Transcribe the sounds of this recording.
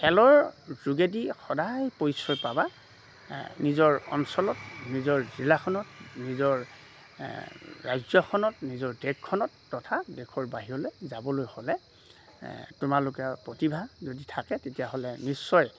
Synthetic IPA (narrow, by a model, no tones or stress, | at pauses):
xɛlɔɹzuɡedixɔdajpojsɔjpaba | nizɔɹɔ̰nsɔlɔtnizɔɹzilakʰɔnɔtnizɔɹ | ɹajzɔkʰɔnɔtnizɔɹdɛkʰːɔnɔtːɔtʰadekʰɔɹbaɦiɹɔlezabɔlojhɔlɛ | tʊmalʊkɛpɹɔtibʱazoditʰakɛtetijaɦolɛnisːɔj